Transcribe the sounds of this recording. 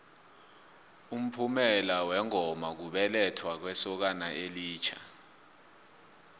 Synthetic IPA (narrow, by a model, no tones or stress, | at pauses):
um̩pʰumɛlawɛŋɔmak̬uɓɛlɛtʰwak̬wɛsɔk̬anaʔeliːt͡ʃʰa